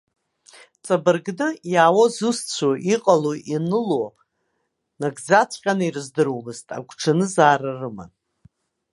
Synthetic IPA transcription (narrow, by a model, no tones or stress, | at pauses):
t͡sʼabɨrɡnɨjaːwozust͡sʷʰoʔiqʼaloʔinɨlo | naɡd͡zat͡sʷʰʼqʲʼanɨirɨzdɨɾomɨztʼa̰ɡʷʰʈ͡ʂʰanɨzaːrarɨma̰n